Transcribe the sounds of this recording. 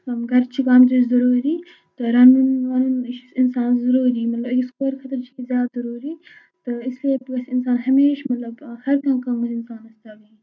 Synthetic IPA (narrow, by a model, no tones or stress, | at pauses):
ɐmɡɐɾt͡ʃʰikaːmt̪uzɐɾuːɾiː | t̪ɨɾɐnunʋɐnunʃisinsaːnzɐɾuːɾiːmɐt̪lɐbɐɡʲiskoːɾkʰɐt̪ɐɾt͡ʃʰiizjaːd̪zɐɾuːɾiː | t̪ɨisleːpibɐsɪnsaːnɦɐmeːʃmɐt̪lɐbhɐɾkãːkɐmɐɪnsaːnɐst̪aːɡi